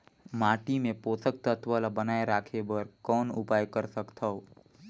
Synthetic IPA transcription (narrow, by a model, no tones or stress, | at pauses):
maːʈimẽpoːt̪ək̚t̪ət̪ʰʋəlabənaːeɾaːkʰebəɾkɔːnʊpaːjkəɾsəkt̪ʰəo